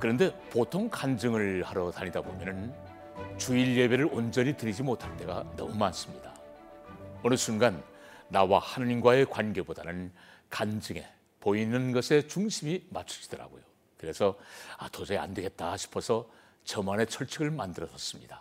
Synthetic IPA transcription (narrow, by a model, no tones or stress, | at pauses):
kɯɾʌnde̞potʰoŋkand͡ʑɯŋɯɭhaɾʌtaɲidabomjʌnɯn | t͡ɕuiɭje̞be̞ɾɯɾond͡ʑʌɲitɯɾid͡ʑimotʰant͈e̞ɡa̰nʌ̰mumans͈ɯmɲida | onɯsunɡanː | awahanaɲimɡwae̞kwanɡe̞bodanɯnkand͡ʑɯŋe̞̰ | poinɯnɡʌsʰe̞t͡ɕuŋɕʰimimat͡ɕʰu̥ɕʰi̥d̥ʌɾa̰ɡojo | kɯɾe̞sʰʌatʰod͡ʑʌea̰ndeɡe̞t̚t͈aɕʰi̥pʰʌsʰʌ | t͡ɕʌmane̞t͡ɕʰʌɭt͡ɕʰeɡɯɭmandɯɾʌsʌs͈ɯmɲida